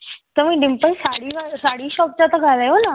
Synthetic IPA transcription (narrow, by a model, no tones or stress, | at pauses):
t̪ɐʋĩɖɪmpə̃saːɽiʋasaːɽiːʃɔːp̚t͡ɕat̪ɐkaɾɐjona